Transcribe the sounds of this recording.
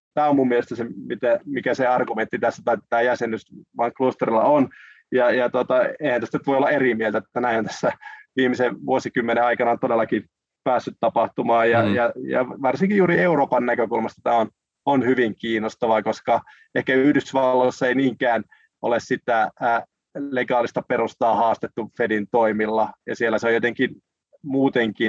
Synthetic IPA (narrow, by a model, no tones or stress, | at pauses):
t̪æːomummielest̪æsemit̪æmikæseɑrɡument̪ːit̪æsːæt̪ɑit̪æːjæsenysʋɑŋklust̪erilːɑ̰on | jɑjɑt̪ot̪ɑeihænt̪æst̪ænyt̪ʋojolːɑerimielt̪æt̪ːænæinont̪æ̥sːæʋiːmiseʋuosikymːeneɑikɑnɑont̪odelːˑɑki | pæːsːyt̪t̪ɑpɑht̪umɑːjjɑjɑjɑ̰ʋɑrsiŋkijjuːɾieuroːpɑnnækøkulmɑst̪ɑt̪æːon | onhyʋiŋkiːnost̪ɑʋɑkoskɑ | ehkæyhdysʋɑlːosːɑeiniːŋkæːn | ʔo̰lessit̪æ | leɡɑːlist̪ɑperust̪ɑːhɑːst̪et̪ːufedint̪oimilːɑjɑ̰sielːæseojot̪eŋkin | muːt̪eŋkin